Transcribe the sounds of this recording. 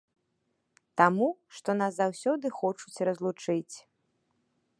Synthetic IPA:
t̪amuʂt̪ɔnaszawsʲɔd̪ɨxɔt͡ʂut͡sʲrɐzlˠut͡ʂɨt͡sʲ

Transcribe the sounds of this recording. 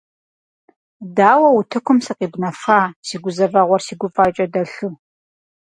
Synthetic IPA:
daːwɐwʊtʰɨkʷʰʊmsɨqiːbnɐfaːsiːɡʷʊzɐvɐʁʷɔrsiːɡʷʊfʼaːt͡ʃʼɐdɐɬɨ

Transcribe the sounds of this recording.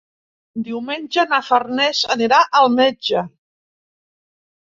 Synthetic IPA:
d̪iwmenʲʒənəfərnɛzəniɾaʔəlˠmed͡ʒə

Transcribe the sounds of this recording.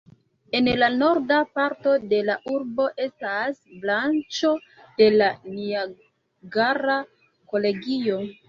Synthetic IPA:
e̞nlano̞ɾdapaɾto̞de̞laʔuɾbo̞ʔe̞stasblant͡ʃo̞ | d̥e̞lania | ɡaɾa | ko̞le̞ɡio̞

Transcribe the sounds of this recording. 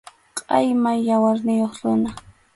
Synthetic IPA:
qʼɑjmajawaɾnɪjoχɾʊna

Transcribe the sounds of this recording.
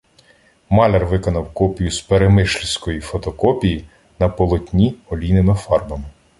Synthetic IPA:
mɑlʲɛrʋɪkɔnɐwkɔpʲijuspeɾemɪʃlʲisʲkɔjifɔt̪ɔkɔpʲiji | nɐpɔlˠɔtʲnʲiɔlʲinɪmɪfɑrbɐmɪ

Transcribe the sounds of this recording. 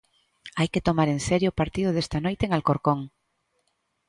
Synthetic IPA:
ajket̪omaɾenseɾjoːpaɾt̪iðʊð̞est̪anojt̪eŋalkoɾkoŋ

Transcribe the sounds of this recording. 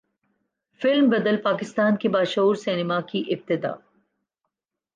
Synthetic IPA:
fɪlmbɐd̪əlpaːkɪst̪aːnkebaːʃɐɦuːɾsɪnɪmakiʔɪb̚t̪ɪd̪a̰ː

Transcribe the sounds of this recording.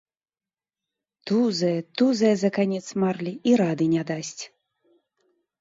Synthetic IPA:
t̪uzɐjɛt̪uzɐjɛzɐkanʲɛt̪smarlʲiiɾad̪ɨnʲad̪asʲt͡sʲ

